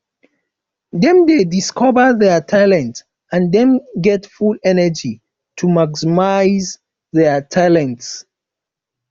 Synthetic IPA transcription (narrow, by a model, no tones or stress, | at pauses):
dɛ̃mdediskʰɔvəðɛtʰalɛ̃nt | ãndɛ̃mɡɛtfulɛnəd͡ʒi | tʰumaksimaɪz | ðɛtʰalɛ̃nts